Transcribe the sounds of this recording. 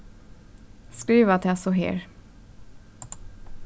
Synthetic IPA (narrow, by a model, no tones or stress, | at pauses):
skɾiːvat̪ʰasɔɦḛːɾ